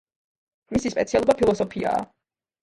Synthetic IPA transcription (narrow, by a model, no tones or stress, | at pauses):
misispʼɛ̰t̪sʰialˠɔbapʰilˠɔsɔpʰia̰ː